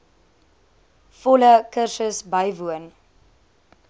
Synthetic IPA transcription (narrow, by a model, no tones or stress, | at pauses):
fɔləkərsəsbɐjvuən